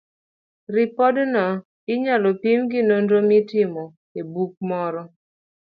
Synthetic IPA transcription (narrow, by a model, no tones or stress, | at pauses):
rɪpɔdnɔ | ɪɲalɔpimɡɪnondomɪtɪmɔ | ebuk̚mɔɾɔ